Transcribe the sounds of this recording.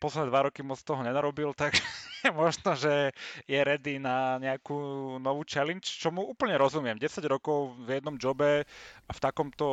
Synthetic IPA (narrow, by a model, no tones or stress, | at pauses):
pɔslɛd̪ɛd̪ʋaɾɔkimɔt͡st̪ɔɦɔɲɛnaɾɔbilt̪aɡʒɛjɛmɔʒnɔʒɛjɛɾɛd̪inaɲɛakunɔʋuːt͡ʃɛlint͡ʃt͡ʃɔmuuːpl̩ɲɛɾɔzumɪɛmɟɛsaɟɾɔkɔʊvjɛd̪nɔmd͡ʒɔbɛft̪akɔmt̪ɔ